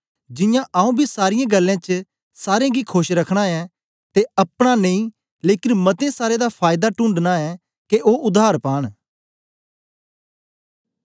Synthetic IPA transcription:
d͡ʒɪjãʔaːũbʱisaːɾɪjãːɡəlːãːt͡ʃ | saːɾẽːɡiːkʰʊʃɾəkʰɽ̃aɛː | t̪eəpɽ̃aneĩː | leːkɪnmɐt̪ẽːsaːɾed̪apʰaːɪd̪aːʈʊ̃ːɳɖnaɛː | keʔoːʔʊd̪aːɾpaːɽ̃

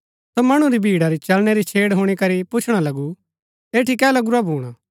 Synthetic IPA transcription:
somɐɽ̃uɾibʱiːɽaɾit͡ʃɐlnɛɾit͡ʃʰeːɽɦuɽ̃ikɐɾipʊt͡ʃʰɽ̃alɐɡu | eːʈʰikɛːlɐɡʊɾabʱuːɽ̃a

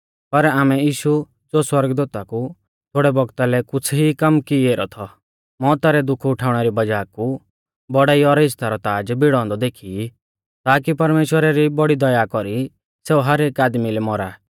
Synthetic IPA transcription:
pɐɾaːmɛjiːʃu | d͡zoːswɐɾɡd̪uːt̪aku | t̪ʰoːɽɛbɔɡt̪alɛkʊt͡sʰɦikɐmkieːɾɔt̪ʰɔ | mɔːt̪aɾɛd̪ʊkʰʊʈʰaːʊɽ̃ɛɾibɐd͡ʒaːku | bɔɽaːiɔɾɦɪst̪aɾɔt̪aːd͡ʒbɪɽ̃ɔ̃ːnd̪ɔd̪eːkʰii | t̪aːkipɐɾmeːʃwəɾaɾibɔɽid̪ɔjakɔɾi | seːuɦɐɾeːkaːd̪milɛmɔɾa

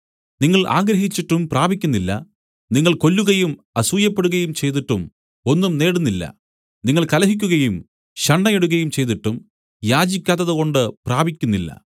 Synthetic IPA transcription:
niŋːɐɭʔa̰ːɡɾɐɦit͡ɕːiʈːumpraːbikʲːunːilːɐ̰ | niŋːɐɭko̞lːuɣɐjum | ɐsuːjɐpːe̞ɽuɣɐjumt͡ɕe̞jt̪̬iʈːum | o̞nːumne̞ːɽunːilːɐ̰ | niŋːɐɭkɐlɐɦik̬ʲːuɣɐjum | ɕɐɳːɐjeɽuɣɐjumt͡ɕe̞jt̪iʈːum | jaːd͡ʑikʲːaːt̪ːɐðɨɣo̞ɳɖɨpraːbʱikʲːunːilːɐ̰

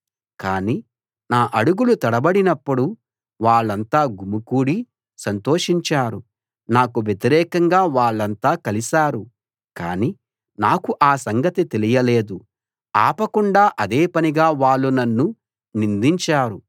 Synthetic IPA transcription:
kaːniː | naːʔɐɽuɡulut̪ɐɽɐbɐɽinɐpːuɽu | ʋaːɭːɐnt̪aːɡumukuːɽi | sɐnt̪oːʂiɲt͡ʃaːɾu | naːkuʋjet̪iɾɛːkɐŋɡaːʋaːɭːɐnt̪aːkɐlisaːɾu | ka̰ːniː | naːkuʔaːsɐŋɡɐt̪it̪elijɐle̞ːd̪u | a̰ːpɐkuɳɖaːʔɐd̪eːpɐniɡaːʋaːɭːunɐnːu | nind̪iɲt͡ʃaːɾu

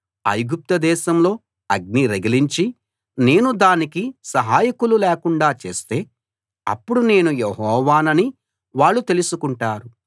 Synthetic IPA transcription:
ɐ̰jɡup̚t̪ɐd̪ɛːʃɐmlo̞ː | ɐɡ̚niɾɐɡɐliɲt͡ʃi | ne̞ːnud̪aːnikisɐɦaːjikululɛːkuɳɖaːt͡ʃe̞̰ːst̪e̞ː | ɐ̰pːuɽune̞ːnujeɦɔːʋaːnɐni | ʋaːɭːut̪e̞lusukuɳʈaːɾu

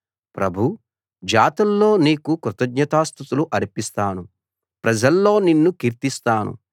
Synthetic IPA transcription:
pɾɐbʱu | d͡ʒaːt̪ɐlːo̞ːniːkukɾut̪ɐɡɲɐt̪aːst̪ut̪uluʔɐɾipist̪aːnu | pɾɐd͡ʒɐlːo̞ːninːukiɾt̪ist̪aːnṵ

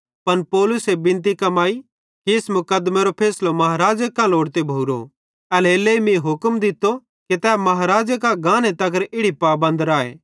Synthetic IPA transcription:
pɐnpɔːlʊsebɪ̃nt̪̬ikɐmaːi | kiɪsmʊkəd̪meɾopʰeːslomɐɦaɾaːd͡ʒəkãloːɽt̪ebʱoːɾo̰ | ɛleːlːeːimĩɦʊkmd̪ɪt̪ːo | ket̪ɛːmɐɦaɾaːd͡ʒək̬ãɡãːnet̪ɐkəɾɪɽipaːbɐ̃nd̪ɾaːḛː

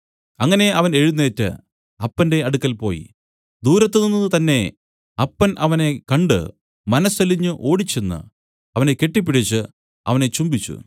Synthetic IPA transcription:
ɐŋːɐne̞ɐʋɐne̞ɻunːe̞ːtːɨ̰ | ɐpːɐnde̞ɐɽukːɐlpo̞̰ːjḭ | d̪uːɾɐt̪ːeninːɐðɨt̪ɐnːe̞ | ɐpːɐnʔɐʋɐne̞kɐɳɖɨ̰ | mɐnɐsɐliɲːɨʔo̞ːɽit͡ɕːenːɨ̰ | ɐʋɐneke̞ʈːip̬ːiɽit͡ɕːɨ | ɐ̰ʋɐne̞t͡ɕumbit͡ɕːṵ

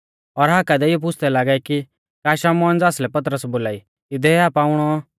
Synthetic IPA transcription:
ɔɾɦaːkad̪eɪjɔp̬ʊt͡ʃʰd̪ɛlaːɡaiki | kaːʃaːmɔːnd͡zaːslɛpɐt̪̬ɾəsboːlaːi | ɪd̪ɛaːpaːʊɽ̃ɔ

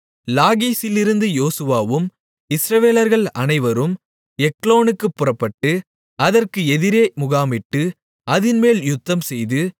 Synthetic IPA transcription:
laːɣiːsɪlɪɾɯnd̪ɯjoːsɯʋaːʋɯm | ɪsɾɐʋeːlɐɾɣɐɭɐnɐɪʋɐɾɯm | ɛkloːnɯkːɯpːʊrɐpːɐʈːɯ | ɐðɐrkɯɛðɪɾeːmʊɣaːmɪʈːɯ | ɐðɪnmeːljʊt̪ːɐmsɛjðɯ

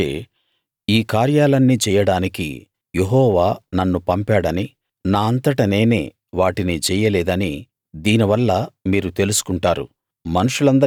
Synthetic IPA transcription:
ḛ | iːkaːɾjaːlɐnːit͡ʃɛːjɐɽaːnikḭ | je̞ɦɔːʋaːnɐnːupɐmpaːɽɐni | naːɐnt̪ɐʈɐne̞ːnḛː | ʋaːʈinit͡ʃɛːjɐlɛːd̪ɐni | d̪iːniʋɐlːɐmiːɾut̪e̞lusu̥kuɳʈaːɾṵ | mɐnuʂulɐnd̪ɐ

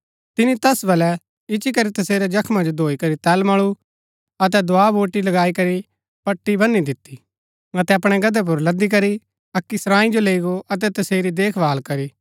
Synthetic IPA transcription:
t̪ɪnit̪ɛsbɐlɛ | ɪt͡ʃikɐɾit̪ɐseːɾɛd͡ʒɐkʰmãd͡ʒod̪ʱoːikɐɾit̪ɛːlmaːɭ̃u | ɐt̪̬ɛd̪ʊaːboːʈilɐɡaːikɐɾi | pɐʈːibɐnːid̪ɪt̪ːi | ɐt̪ɛɐpɽ̃ɛɡɐd̪ɛp̬ʊɾlɐd̪ik̬ɐɾi | ɐkːisɾãːĩd͡ʒoleiɡoʔɐt̪ɛt̪ɐseːɾid̪eːkʰbaːlkɐɾiː

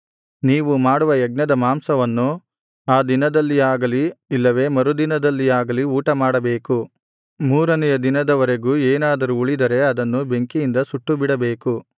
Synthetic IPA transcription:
niːʋumaːɽuʋɐjɐɡ̚nɐd̪ɐmaːmsɐʋɐnːu | aːd̪inɐd̪ɐlːijaːɡɐliːlːɐʋe̞ːmɐɾud̪inɐd̪ɐlːijaːɡɐliuːʈɐmaːɽɐbe̞ːku | muːɾɐnɛjɐd̪inɐd̪ɐʋɐɾe̞ɡuːeːnaːd̪ɐɾuːɭid̪ɐɾe̞ɐd̪ɐnːube̞ŋkijind̪ɐsuʈːubiɽɐbeːku

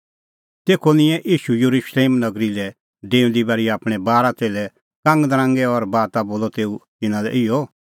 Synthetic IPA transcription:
t̪eːkʰonɪ̃jɛ̃ʔiːʃujəɾuʃleːmnɐɡɾilɛ | ɖẽːũnd̪ibaːɾiaːpɽ̃ɛbaːɾat̪eːlɛ | kãŋɡd̪ɾãːŋɡɛɔɾbaːt̪aboːlɔt̪eːut̪ɪnãlɛ̰ʔɪjɔ

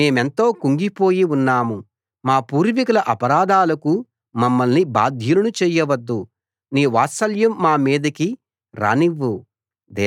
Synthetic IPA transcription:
e̞ːme̞nt̪o̞ːkuŋɡipo̞ːjiunːaːmu | maːpuːɾʋikɐlɐʔɐpɐɾaːd̪aːlɐku | mɐmːɐlniba̰ːd̪ʱjulɐnut͡ʃɛːjɐʋɐd̪ːu | niːʋaːsɐljɐmːaːmiːd̪ɐki | ɾa̰ːniʋːu | d̪ɛː

